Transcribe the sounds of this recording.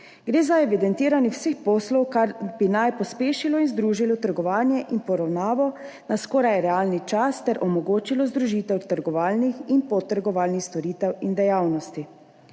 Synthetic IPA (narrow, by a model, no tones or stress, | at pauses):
ɡɾeːzaɛʋid̪ɛnt̪iːɾaniwsexpɔslɔwkaɾbinajpɔspeːʃilɔinzd̪ɾuːʒilɔt̪əɾɡɔʋaːnjɛʔinpɔɾawnaːʋɔ | naskɔːɾajɛɾɛaːlnit͡ʃast̪ɛɾʔɔmɔɡoːt͡ʃilɔzd̪ɾuʒit̪ɛwt̪əɾɡɔʋaːlnixinpɔt̪ːəɾɡɔʋaːlnixst̪ɔɾiːt̪ɛwind̪ɛjaːwnɔst̪i